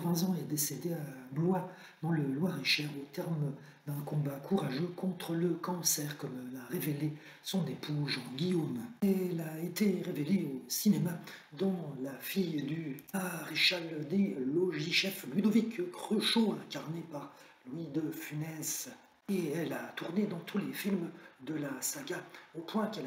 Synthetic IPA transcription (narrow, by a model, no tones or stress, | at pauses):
χwãzɑ̃ɛd̪esed̪eablwa | d̪ɑ̃ləlwaʁeʃɛʁot̪ɛʁm | d̪ɛ̃kɔ̃bakʰuʁaʒøkɔ̃t̪χələkɑ̃sɛʁkɔmlaʁevele | sɔ̃nepʰuzɑ̃ɡʲijomɛlaet̪eʁeveleosinema | d̪ɑ̃lafijd̪yaʁeʃald̪eloʒiʃɛflɥid̪ɔvikkχøʃoɛ̃kaʁnepaʁ | lwid̪əfynɛs | eɛlat̪uʁned̪ɑ̃t̪ʰulefilmd̪əlasaɡaopwɛ̃kɛl